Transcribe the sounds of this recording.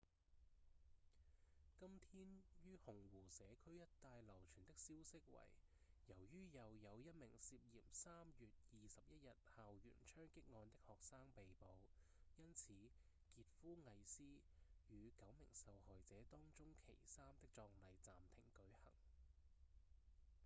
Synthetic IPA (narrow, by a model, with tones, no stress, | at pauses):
kɐ˥mt̪ʰiː˥njyː˥hʊ˨˩ŋwuː˨˩sɛː˨˧˥kʰɵ˥ɥjɐ˥tt̪aː˧jlɐ˨˩wt͡ʃʰyː˨˩nt̪ɪ˥k̚siː˥wsɪ˥k̚wɐ̰˨˩j | jɐ˨˩wjyː˥jɐ˨wjɐ˨˧wjɐ˥t̚mɪ˨˩ŋsiː˧p̚jḭː˨˩msaː˥mjyː˨t̚jiː˨˧sɐ˨p̚jɐ˥t̚jɐ˨t̚haː˨wjy̰ː˨˩nt͡ʃʰœː˥ŋkɪ˥k̚ŋɔː˧nt̪ɪ˥k̚hɔː˨k̚saː˥ŋpe˨jpo˨˧w | jɐ˥nt͡sʰiː˨˧ | kiː˨˧t̚fuː˥ŋɐ˨˧jsiː˥ | jyː˨˧kɐ˨˥wmɪ̰˨˩ŋsɐ˨whɔː˨jt͡sɛː˨˥t̪ɔː˥ŋt͡sʊ˥ŋkʰḛ˨˩jsaː˥mt̪ɪ˥k̚t͡sɔː˧ŋlɐ˨˧jt͡saː˨mt̪ʰɪ̰˨˩ŋkɵ˨˥ɥhɐ̰˨˩ŋ